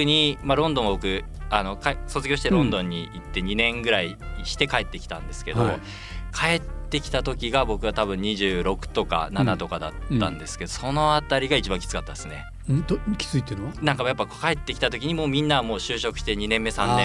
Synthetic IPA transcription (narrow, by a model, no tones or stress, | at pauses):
ɯɲ̟imaɾõ̞nd̪õ̞abokɯ̟ano̞kaso̞t͡sɨɡʲo̞ːɕi̥t̪eɾõ̞nd̪õ̞ɲ̟ːiit̪ːe̞ɲ̟inẽ̞ŋɡɯ̟ɾaiɕi̥t̪e̞kae̞t̪ːe̞kʲi̥t̪ãnd̪e̞sɨ̥ke̞d̪o̞̰ | kʰae̞t̪ːe̞kʲi̥t̪at̪o̞kʲiɡabo̞kɯ̟βat̪aβɯ̟̃ɲ̟ːiʑɨːɾo̞kɯ̟̥t̪o̞ka̰nanat̪o̞kad̪a̰t̪ːã̰nd̪e̞sɨ̥ked̪o̞so̞no̞at̪aɾʲiɡait͡ɕibãŋkʲi̥t͡sɨ̥kat̪ːad̪esɨne̞̥ | kʲʰi̥t͡sɨit̪ennãŋkamjapːakokae̞t̪ːe̞kʲit̪at̪o̞kʲiɲ̟imo̞ːmʲĩnːamo̞ːɕɨːɕo̞kɯ̟̥ɕi̥t̪e̞ɲ̟inẽ̞mːe̞sãnːẽ